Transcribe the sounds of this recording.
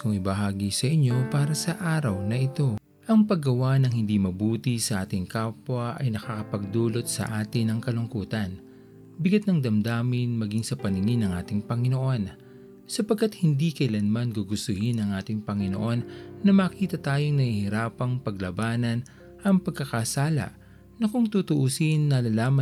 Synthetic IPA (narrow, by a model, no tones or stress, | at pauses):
kʊŋɪbɐɦaːɡisɐʔɪɲːo̞paːɾɐsɐʔaːɾɐwnɐʔɪt̪o̞ | ʔɐŋpɐɡɐwanɐŋhɪnd̪imɐbuːt̪isɐʔaːt̪ɪŋkaːpwɐʔɐ̰jnɐkakɐpɐɡ̚d̪uːlo̞t̪̚sɐ̰ʔaːt̪ɪnɐŋkɐlʊŋkuːt̪ɐn | bɪɡat̪̚nɐŋd̪ɐmd̪aːmɪnmɐɡiŋsɐpɐnɪŋɪnɐŋʔaːt̪ɪŋpɐŋɪno̞ʔo̞n | sɐpɐɡ̚kːɐt̪̚hɪnd̪ikɐʔɪlɐnmɐnɡoɡʊst̪ʊhɪnɐŋʔaːt̪ɪŋpɐŋɪno̰ʔo̞nːɐmɐːkiːt̪ɐt̪aːjo̞ŋnɐʔihɪɾaːpɐŋpɐɡlɐbaːnɐn | ʔɐŋpɐɡ̚kːɐkasaːlɐ̰ʔ | nɐkʊŋt̪ut̪ʊʔusinːɐlɐlaːmɐ